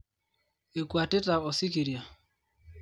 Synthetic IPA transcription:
e˨kwa˨tɪ˦ta˨ɔ˨si˦ki˨ɾja˨

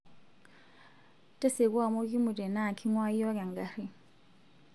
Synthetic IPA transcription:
tʼɛ˦se˨ku˦a˨mo˦kʼi˦mʊ˨tʼɛ˨na˦˨kʰi˦ŋwa˦i˦jɔ˦ka˨ŋ˨ɡa˦ri˦

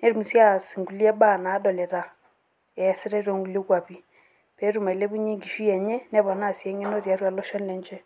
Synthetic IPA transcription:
nɛ˦ɾu˨mu˨sja˦˨si˨ŋɡu˨lɛ˦ba˦˨na˨˦dɔ˨lɛ˨ɾa˨ | ɛ˨sɪ˦ɾɛ˦ɾo˨ŋɡu˨ljo˦kwa˨βi˨ | pɛ˨˦ɾu˨ma˨i˨lɛ˦βu˦ɲe˦ŋɡi˨ʃi˦ɛ˨ɲɛ˦nɛ˦βɔ˨na˦˨sjɛ˨˦ŋɛ˦no˦ɾja˨˦ɾwa˨lɔ˦ʃɔ˦nlɛ˨ɲd͡ʒɛ˦

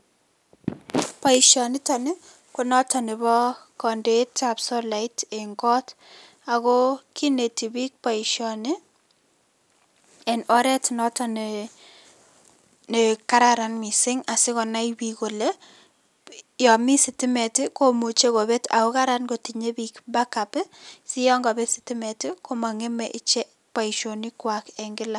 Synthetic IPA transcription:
pa˨iʃɔnɪ˦ta˨nɪ˦ | kʊ˨nɔ˦ta˨nɪ˨bɔ˦kɔ˨nde˨tapsɔ˦la˨ɪteŋkɔ˦t | a˨ko˦ki˦ne˨ti˨bi˦k̚pa˨iʃjɔnɪ˦ | ɛ˨nɔ˦ɾɛ˦tnɔ˦tan | ne˨ka˦ɾaɾa˨nmɪ˨sɪ˦ŋa˨sɪ˦kɔ˨na˦ibi˨ko˨le˦ | jɔ˨mi˦sɪ˨tɪ˦mɛ˨tɪ˦ko˦mo˨t͡ʃe˦ko˨be˦ta̰˨kʊ˦ka˦ɾa˦nɡo˨ti˨ɲe˦bi˦kba˦ka˨psɪ˦jɔ˦ŋɡa˨be˦sɪ̥tɪ˦mɛ˨tɪ˦ko˦ma˨ŋe˦mɛʔɪ˦t͡ʃɛ˦ | pa˨i˨ʃo˨ni˦kwa˨kɛŋɡɪ˦la˨

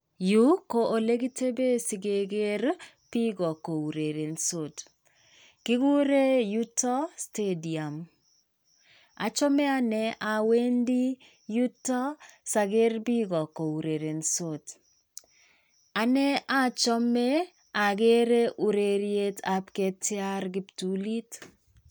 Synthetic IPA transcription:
ju˦ko˨ʔo˨le˦ɡi˦te˦be˦si˨ɡe˨ɡe˦ɾ | b̥i˦ɡɔ˨ko˨u˨ɾe˨ɾe˨nso˦t | ki˦ɡu˦ɾe˦ju˦tɔ˦ste˦di˨a˨m | a̰˨t͡ʃɔ˦mɛ˦a˦nɛ˨ʔa˨we˦ndi˦ | ju˦tɔ˦sa˨ɡe˦rbi˦ɡɔ˨ko˨u˨ɾe˨ɾe˨nso˦t | a˨nɛ˦a˦t͡ʃɔ˦me˦ | a˨ɡe˦ɾe˦ʔu˨ɾe˨ɾje˦ta˨pke˦tɪ˦a˦ɾɡɪ˦ptu˦li˦t

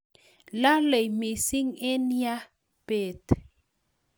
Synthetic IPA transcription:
la˦le˨jmi˨si˦ŋe˦n˦ja˦ | pe˨t

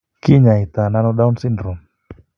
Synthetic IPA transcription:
ki˦ɲa˨i˨t̪a˨na˦nɔ˦ɗa˦u˦nsi˦ndɾɔ˨m

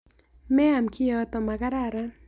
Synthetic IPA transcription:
mɛ˦a˨mki˦ɔ˦t̪ɔ˨ma˨ɡa˦ɾaɾa˦

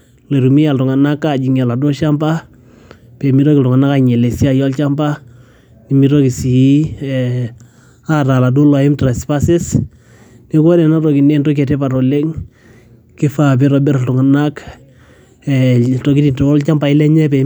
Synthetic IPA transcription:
le˨ɾumi˦ja˨ltʊ˨ŋa˨na˦kːa˨d͡ʒi˨ŋa˨la˨do˦ʃa˦mba˦ | pɛ˨mi˦ɾɔ˦kɪltʊŋa˨na˦ka˦ɲɛ˨le˨si˦a˦˨jɔ˦lt͡ʃa˦mba˦ | ni˨mi˦ɾo˦ki˨si˨˦ | a˦ɾa˨la˨do˦lɔ˨ɪ˦mtɾa˨spa˦sɪ˦s | ni˦kɔ˦nɛ˨na˦tɔ˨ki˨ne˦ntɔ˦k̬ɛ˨te˦pa˨ɾɔ˨le˦ŋ | kɪ˦fa˨b̬ɪ˦ɾɔ˨bɛ˦ɾa˨ltʊ˨ŋa˨nak | ɛtɔ˨ki˦ti˨nto˨ɔ˦lt͡ʃa˦mba˨ɪ˦lɛ˦ɲɛ˦pɛ

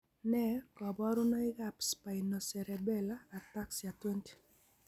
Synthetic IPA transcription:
nɛ˦kɔ˨bɔ˦ɾu˦no˦ɪ˦ɡa˦˨pspa˨i˨no˨sɛ˨ɾɛ˨bɛ˦laː˦˨ta˦ksja˨twe˦nti̥˨

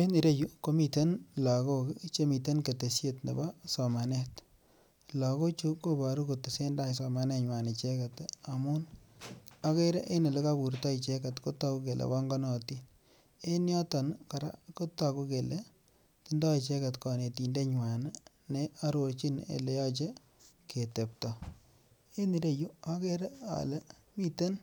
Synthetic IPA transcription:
e˦ni˨ɾe˦ju˦ko˦mi˨te˦nla˨ko˦kt͡ʃe˦mi˨t̬e˦nke˨te˨sje˦tnḛ˨bɔ˦sɔ˨ma˨ne˦t | lɔ˨ko˦t͡ʃu˦ko˦ba˨ɾu˦ko˨te˨se˦nda˦˨jsɔ˨ma˨ne˦ɲwa˨ne˨t͡ʃe˦ka˨ta˨mʊ˦n | a˦ke˦ɾe˦ʔe˦ne˨le˦ka˦bu˨ɾtɔ˦i˨t͡ʃe˦ka˨tko˦tɔ˦ku˦ke˨lʔḛ˨bɔ˦ŋɡɔ˦nɔ˨ti˦ | e˦njɔ˦tɔ˨nka˨ɾa̰˦ko˦ta˨ku˦ke˨le˦ | ti˦ndɔ˦i˨t͡ʃe˦ka˨tkɔ˨ne˨ti˨nde˦ɲwa˨n | ne˦a˦ɾo˨ɾt͡ʃi˦nḛ˨le˦jɔ˦t͡ʃe˦ | ke˨te˨p̚tɔ˨ | e˦ni˨ɾe˦ju˦a˦ke˦ɾe˦a̰˨le˦ | mi˦te˦n

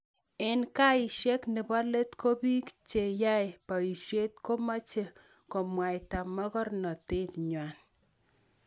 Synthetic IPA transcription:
ɪ˦nka˦ɪ˨ʃe˦knɪ˨ba˦le˦tkʰo˦bi˦kt͡ʃe˨ja˦jpa˨i˨ʃje˦tko˦ma˦t͡ʃe˦ | kɔ˨mwa˨jta˨mɔ˦kɔ˦rnɔ˨te˦tɲwa˨n

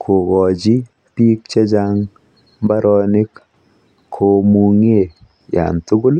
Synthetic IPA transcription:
kʰo˨ɣɔ˨d͡ʒi˦ | pi˦k̚t͡ʃe˦d͡ʒaŋ | ba˦ɾɔ˧ni˦kʰː | o˨mu˧ŋe˦˨ | ja̰˨ntu˦ɡu˦l

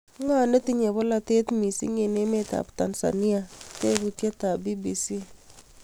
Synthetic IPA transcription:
ŋa˦˨ne˦ti˦ɲe˨bɔ˦la˨te˦tmi˨sḭ˦ŋe˨ne˦me˦ta̰˨pta˨nsa̰˨ni˦a˨te˦ku˨tja˦ta˨bi˦bi˨si˦

